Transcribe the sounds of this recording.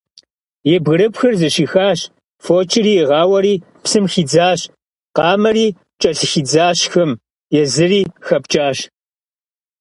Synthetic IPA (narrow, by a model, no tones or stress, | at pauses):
jɛbɣɨɾɨpxɨrzɨʃiːxaːɕ | foːt͡ʃʼɪriːjɛʁɑːwɐɾiː | psɨmxiːd͡zaːɕ | qɑːmɐriː | t͡ʃʼɐɬɨxiːd͡zaːɕxɐm | jɛzɨriːxɐpt͡ʃʼaːɕ